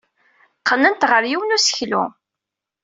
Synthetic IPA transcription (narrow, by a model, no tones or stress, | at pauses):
qʰːənənt̪ʁəɾjiwənusə̥çlṵ